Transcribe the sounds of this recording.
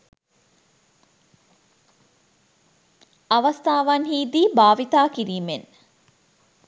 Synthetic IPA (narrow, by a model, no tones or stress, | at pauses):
ɐʋɐst̪aːʋanɦiːd̪iːbaːʋit̪aːkiɾiːmen